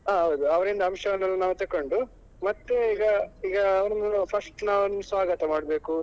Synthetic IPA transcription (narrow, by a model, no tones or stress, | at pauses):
ɦaːɦoːd̪uɐʋɐɾind̪ɐmʃɐɡɐɭɐlːɐnaːʋut̪ɐkːoɳɖu | mɐt̪ːeiːɡɐiːɡɐːʋɐɾɐnupʰɐsʈnaːʋɐnusʋaːɡɐt̪ɐmaːɽbe̞ːku